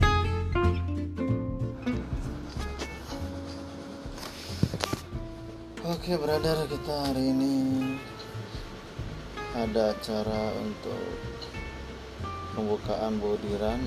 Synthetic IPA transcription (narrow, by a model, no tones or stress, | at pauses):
okebəɾadarkit̪aːɾini | adaːt͡ʃaɾaṵnt̪ʊ̰k | pəmbukaʔanbodiɾan